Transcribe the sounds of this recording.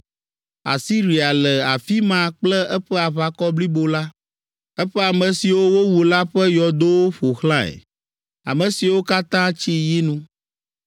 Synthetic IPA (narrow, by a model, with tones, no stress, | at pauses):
a̰˨si˦ɾi˨a˨lɛ˨a˨fi˦mã˨k͡plɛ˦ɛ˦ɸɛ˦a˨βa˨kɔ˦bli˦bo˨la˦ | ɛ˦ɸɛ˦a˨mɛ̃˨si˨wo˦wo˦wu˨la˦ɸɛ˦jɔ˨d̪o˦wo˦ɸo˨xlã˦ɛ̰˨ | a̰˨mɛ̃˨si˨wo˦ka˦t̪ã˦t͡ɕi˦ji˦nũ˦